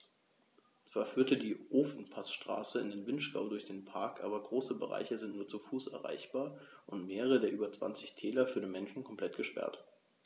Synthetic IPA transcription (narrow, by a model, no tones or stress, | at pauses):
t͡sv̥aːɐfyːɐtədiːʔoːfn̩pʰasʃtʁ̥a̰ːsəɪndeːnvɪnʃɡ̥a̰ʊdʊɐçd̥eːnpʰaɐkʔaːbɐɡʁoːsəbə̰ʁa̰ɪçəzɪntnuːɐt͡sufuːsʔɛ̰ɐʁa̰ɪçb̥aːɐʔʊntmeːʁəʁ̞ədeːɐʔyːbɐt͡sv̥a̰nt͡sɪçtʰɛːlɐfyɐdinmɛnʃn̩kʰɔmplɛt̚ɡ̥əʃpɛ̰ɐt